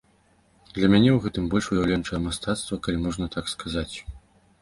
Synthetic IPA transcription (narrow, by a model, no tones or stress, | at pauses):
d̪lʲɐmʲanʲɛwɣɛt̪ɨmbɔlʲʂujawlʲɛnt͡ʂɐjɐmast̪at̪st̪vɐkalʲimɔʐnɐt̪akskazat͡sʲ